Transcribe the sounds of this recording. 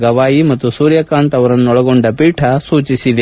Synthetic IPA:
ɡɐʋaːjimɐt̪ːusuːɾjɐkaːnt̪ɐʋɐɾɐnːuɔɭɐɡo̞ɳɖɐpiːʈʰɐsuːt͡ʃisid̪e

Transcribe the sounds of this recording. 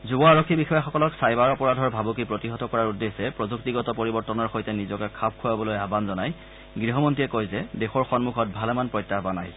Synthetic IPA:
zubɔaɹɔkʰːibixɔjaxɔkɔlɔksajbaɹɔpɔɹadʱɔɹbʱabuk̬ipɹotiɦɔtɔkɔɹaɹudːesɛpɹɔzuk̚tiɡɔtɔpoɹibɔɹtɔnɔɹxojtɛnizɔkɛkʰap̚ʰkʰuabɔlojabanzɔnaj | ɡɹiɦɔmɔntiɛkojzɛdexɔɹxɔnmukʰɔt̚bʱalɛmanpɹɔjtːaɦɔbana̰j

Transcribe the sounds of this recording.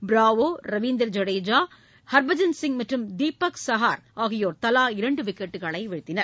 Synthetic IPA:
bɾaːʋoːɾɐʋiːnd̪ɐɾd͡ʒɐɽeːd͡ʒaː | hɐɾbɐd͡ʒɐnsɪŋmɐʈrɯmd̪iːpːɐksɐɦaːɾaːɣɪjoːɾt̪ɐlaːɪɾɐɳɖɯʋɪkːɐʈːɯɣɐɭɐɪʋɛɻɯt̪ːɪnɐɾ

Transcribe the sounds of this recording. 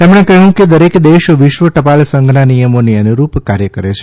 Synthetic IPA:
t̪emɽ̃ẽkəɦũked̪əɾekd̪eʃʋɪʃʋəʈəpalsəŋɡʱnanijəmoniənuɾupkaɾjəkəɾet͡ʃʰe

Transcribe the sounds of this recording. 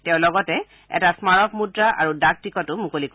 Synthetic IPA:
tɛʊ̃lɔɡɔtɛ | ɛ̰tasmaɹɔkmudɹaʔa̰ɹudak̚tikɔtʊmukolik

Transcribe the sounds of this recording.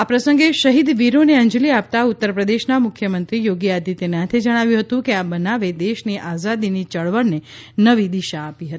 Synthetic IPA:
apɾəsə̃ŋɡeʃəɦid̪ʋiɾoneə̃ɲd͡ʒliap̚t̪aut̪ːəɾpɾəd̪eʃnamʊkʰjəmənt̪ɾijoɡiad̪it̪enat̪ʰed͡ʒəɽ̃aʋjũɦət̪ũkeabənaʋed̪eʃniʔazad̪init͡ʃəɭʋəɽnenəʋid̪iʃaːpiɦət̪i̥

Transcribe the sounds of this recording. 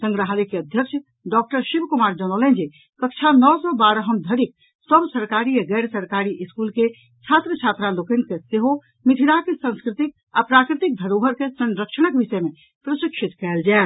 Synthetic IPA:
sə̃ŋɡɾəɦalikeəd̪ʱjəkt͡ʃʰ | ɖɔk̚ʈəɾʃibkumaɾd͡ʒəñəlɛnd͡ʒe | kək̚t͡ʃʰanɔsɔbaɾəɦəmd̪ʱəɾik̚ | səbsəɾkaɾiaɡɛɾsəɾkaɾiʔiskulke | t͡ʃʰat̪ɾət͡ʃʰat̪ɾalokənkeseɦo | miʈ̪ʰiɽakesə̃nskɾit̪ik̚ | apɾakɾit̪ik̚d̪ʱəɾobʱəɾkesə̃nɾəkʃəñəkbisɛme | pɾəsikʃʰit̪kɛeld͡ʒael

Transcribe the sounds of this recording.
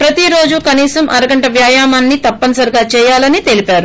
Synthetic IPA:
pɾɐt̪iɾo̞ːd͡ʒukɐniːsɐmʔɐɾɐɡɐɳʈɐʋjaːjaːmaːnːit̪ɐpːɐnɐsɐɾɡaːt͡ʃɛːjaːlɐnit̪e̞lipaːɾu

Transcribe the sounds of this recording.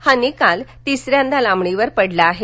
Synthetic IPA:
hənikalt̪isɾjãnd̪alãmɳiʋəɾpəɽlaːɦe

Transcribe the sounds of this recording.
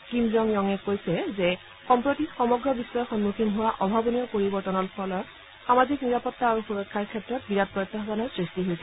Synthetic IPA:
kimzɔŋjɔŋɛkojsɛzɛ | xɔmpɹotixɔmɔɡɹɔbisːɔjɔxɔnmukʰinɦʊwaʔɔbʱabɔniɔpoɹibɔɹtɔnɔɹpʰɔlɔɹ | xamazikniɹapɔtːaːɹuxuɹɔkʰːaɹkʰɛtɹɔtbiɹat̚pɹɔjt̪ːaɦbanɔɹsɹistiɦojsɛ

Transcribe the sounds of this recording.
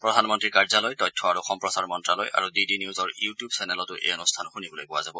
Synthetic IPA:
pɹɔdʱanmɔntɹikaɹzalojtɔjtʰːɔaɹuxɔmpɹɔsaɹmɔntɹalɔja̰ɹudidiniuzɔɹjutijubsɛnɛlɔtʊʔḛjɔnustʰanxunibɔlojbʊwazabɔ

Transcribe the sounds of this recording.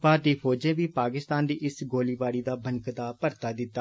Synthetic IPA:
paːt̪iːpʰoːd͡ʒẽːʋiːpaːkɪst̪aːnd̪iːʔɪsɡoːliːbaːɽiːd̪aːbʱəŋkd̪aːpəɾt̪aːd̪ɪt̪ːaː

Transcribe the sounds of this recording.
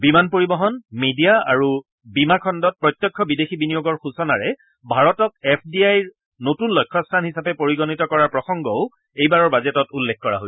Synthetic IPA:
bimanpoɹibɔɦɔnmedijaa̰ɹu | bimakʰɔndɔt̚pɹɔjt̪jɔkʰːɔbidexibinijoɡɔɹxusɔnaɹɛ | bʱaɹɔtɔk̚ɛpʰdiajɹ | notunlɔjkʰːɔstʰanhisapɛpoɹiɡɔnitɔkɔɹaɹpɹɔxɔŋɡɔʊ | ejbaɹɔɹbazɛtɔtulːekʰkɔɹa̰ɦoj

